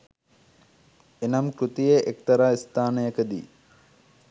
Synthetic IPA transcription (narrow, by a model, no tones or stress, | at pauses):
enɐmkɾut̪ijeʔek̚t̪ɐɾaːist̪aːnəjəkəd̪ḭː